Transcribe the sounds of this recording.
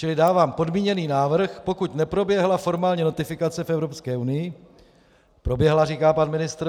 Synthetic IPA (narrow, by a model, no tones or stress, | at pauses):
t͡ʃɪlɪdaːvaːmpo̞dmiːɲɛniːnaːvr̩xpo̞kuc̪nɛpɾo̞bjɛɦlafo̞ɾmaːlɲɛno̞t̪ɪfɪkat͡sɛfɛvɾopskɛːunɪjɪ | pɾo̞bjɛɦlariːkaːpanmɪnɪst̪ɾ